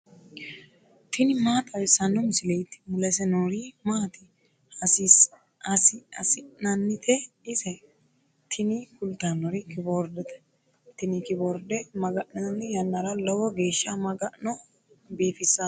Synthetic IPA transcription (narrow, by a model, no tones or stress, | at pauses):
t̪ʰɪnɪmaːt̪ʼɐwɛsɐnːʊmɪsɪlejt̪ɪ̥mʊlɛsɛnoɾimaːt̪ɪ | hɐsis | ɐsɪɐ̰sɪnɐnːɪt̪ʰɛ | ɪsɛ | t̪ʰɪnɪkʊlt̪anːɔɾɪkɪboːɾd̪ɛt̪ɛ̥ | t̪ɪnɪkɪboɾd̪ɛmɐɡɐʔnɐnːɪjɐnːɐɾɐlɔwɔɡe̞ːʃːɐmɐɡɐʔnɔ | biːfɪsːɐ